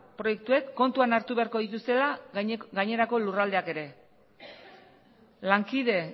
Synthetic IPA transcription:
pɾo̞je̞k̚t̪ue̞kːo̞nt̪uanaɾt̪uβe̞aɾko̞ðit̪ust̪e̞laɡaɲe̞ɾako̞lurald̪e̞ake̞ɾe̞ | laŋkiðe̞

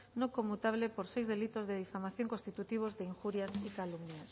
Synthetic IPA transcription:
nõkomːut̪aβ̞lepoɾsejzðelit̪ozðeðifamaθjoŋkonst̪it̪ut̪iβ̞ozðeiŋxuɾjasikalumnjas

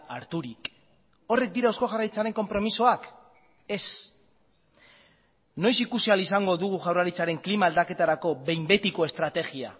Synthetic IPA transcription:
aɾt̪uɾik | o̞re̞k̚d̪iɾao̞sko̞xarajt͡saɾe̞ŋko̞mpɾo̞miso̞ak | e̞s | no̞jsikusialisaŋɡo̞ðuɣ̞uʝawraɾit͡saɾe̞ŋklimaːld̪ake̞t̪aɾako̞βe̞jmbe̞t̪iko̞e̞st̪ɾat̪e̞ɣia̰

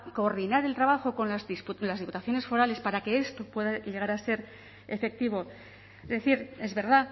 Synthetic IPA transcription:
ko̞ːɾðinaɾe̞lt̪ɾaβaxo̞ko̞nlazispulazðiput̪aθjo̞ne̞sfo̞ɾale̞spaɾake̞est̪o̞pwe̞ðaʎe̞ɣ̞aɾase̞ɾ | e̞fe̞k̚t̪iβ̞o̞ | zðeθiɾe̞zβe̞ɾða

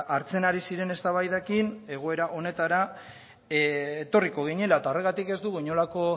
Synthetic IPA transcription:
ʔaɾt͡se̞naɾisiɾe̞ne̞st̪aβajðekine̞ɣ̞o̞e̞ɾaʔo̞ne̞t̪aɾa | et̪o̞riko̞ɣ̞iɲe̞laet̪aore̞ɣat̪ike̞zd̪uɣuɲo̞lako̞

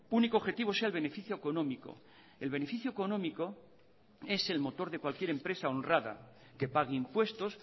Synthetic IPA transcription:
unikoβxe̞t̪iβ̞o̞se̞aelβe̞ne̞fiθjoeko̞no̞miko̰ | e̞lβ̞e̞ne̞fiθjoeko̞nõ̞miko̞ | e̞se̞lmo̞t̪o̞ɾðekwalkje̞ɾempɾe̞sao̞nrraða̰ | ke̞paɣ̞eimpwe̞st̪o̞s

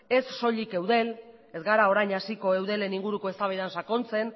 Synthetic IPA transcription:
e̞sːo̞ʎike̞wðe̞l | e̞zɡaɾao̞ɾajɲasiko̞e̞wð̞e̞le̞niŋɡuɾuko̞e̞st̪aβeðansako̞nt͡se̞n

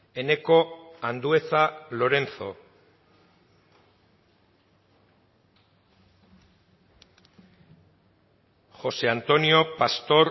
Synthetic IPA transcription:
e̞ne̞ko̞and̪ue̞θalo̞ɾe̞nθo̞̰ | xo̞se̞ant̪o̞nio̞past̪o̞ɾ

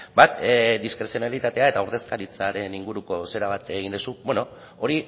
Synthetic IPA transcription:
bat̪d̪iskɾe̞sjo̞nalit̪at̪e̞ae̞t̪auɾðe̞skaɾit͡saɾe̞niŋɡuɾuko̞se̞ɾaβ̞at̪eɣind̪usubweno̞ | oɾi

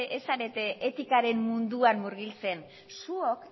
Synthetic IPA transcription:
ʔesaɾe̞t̪eʔet̪ikaɾe̞mmund̪uanmuɾɣilt͡se̞n | suo̞k

